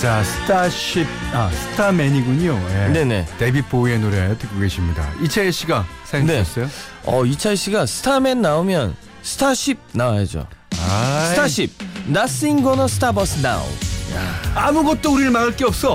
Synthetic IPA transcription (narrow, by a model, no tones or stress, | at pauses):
t͡ɕasʰɯ̥tʰaɕip̚asʰɯ̥tʰameɲiɡuɲojene̞ne̞tebip͈oienoɾetɯk͈oɡe̞ɕʰimɲida̰it͡ɕʰaeɕ͈ʰiɡasʰane̞ʌs͈ʌjoʌ̰it͡ɕʰaeɕ͈ʰiɡasʰɯ̥tʰame̞nːaomjʌn | sʰɯ̥tʰaɕ͈ʰip̚nawajʌd͡ʑo̰asɯtʰaɕʰip̚nas͈ɯinɡʌnʌsʰɯ̥tʰabʌsʰna̰w̰ja̰amuɡʌt̚t͈ouɾiɾɯɭmaɡaɭk͈eʌp̚s͈ʌ